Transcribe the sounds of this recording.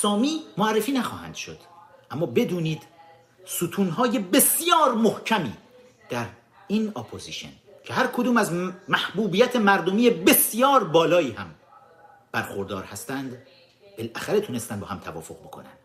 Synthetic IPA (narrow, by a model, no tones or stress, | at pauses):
sɒːmiːmoærːefiːnæxɒ̰ːhæ̰nd̪̥ʃod̪̥ | ʔæmːɒːbe̞d̪uːniːd̪̥ | sut̪ʰuːnɦɒːje̞be̞sjɒːɾmohcʰæmiː | d̪̥æɾ | iːnopʰozḭʃe̞̰n | cʰe̞hæɾkʰod̪uːmæzmæhbuːbijæt̪ʰemæɾd̪o̞miːjebe̞sjɒːɾbɒːlɒːiːhæm | b̥æɾxoɾd̪ɒːɾhæst̪ænd̪ | b̥elʔæxæɾet̪ʰune̞st̪ænbɒːhæmt̪ʰævɒ̰ːfo̞ʁbo̞kʰo̞̰næ̰nd̥̪